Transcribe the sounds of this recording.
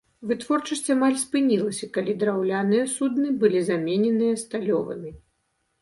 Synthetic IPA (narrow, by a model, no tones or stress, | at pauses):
vɨt̪vɔrt͡ʂɐsʲt͡sʲamalʲspɨnʲilˠɐsʲɐkalʲid̪ɾawlʲanɨjɐsud̪nɨbɨlʲizamʲenʲɛnɨjɐst̪alʲɔvɐ̰mʲi